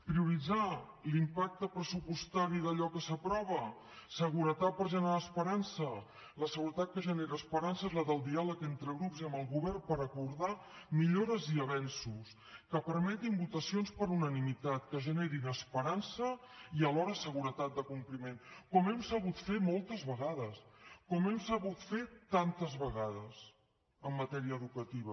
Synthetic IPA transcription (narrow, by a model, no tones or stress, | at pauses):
pɾiuɾid͡za | limpak̚t̪əpɾəsupust̪aɾiðəʎɔkəsəpɾɔβə | səɣ̞uɾət̪at̪̚pəɾʒənəɾaːspəɾansə | ləsəɣuɾət̪at̪̚kəʒəneɾəːspəɾansəezləðəlˠd̪ialəkent̪ɾəɣɾupziəməlˠɣuβɛrmpəɾəkuɾða | miʎoɾəziəβɛnsus | kəpəɾmɛt̪imbut̪əsionspəɾunənimit̪at̪kəʒəneɾinəspəɾansəiəlɔɾəsəɣuɾət̪at̪̚d̪əkumplimenkɔmɛmsəβ̞ut̪femɔlˠt̪əzβəɣaðəskɔmɛmsəβ̞ut̪fet̪ant̪əzβəɣaðəs | əmːət̪ɛɾiəːðukət̪iβ̞ə